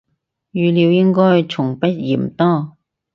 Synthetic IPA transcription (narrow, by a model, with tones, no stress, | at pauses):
jyː˨˧liː˨˧wjɪ˥ŋkɔː˥jt͡sʰʊ˨˩ŋpɐ˥t̚jiː˨˩m̩˨t̪ɔː˥˩